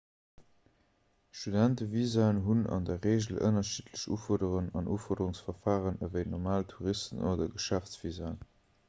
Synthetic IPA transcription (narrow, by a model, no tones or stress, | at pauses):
ʃtudæntəviːzaənɦunɑ̰ndəʁeːʑəl̩ʔə̰nɐʃiːtʰləɕṵːfɔɐdəʁənɑnʔṵːfɔɐdəʁuŋsfɐfaːʁənəvəɪtnɔʁmaːltʰuʁistənoːdɐɡəʃæft͡sv̥izaːn